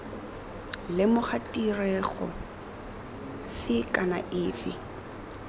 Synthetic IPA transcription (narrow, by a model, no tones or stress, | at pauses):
lɪmʊχatʼirɛɣɔ̰ | fɪkʼana̰ʔɪːfɪ̰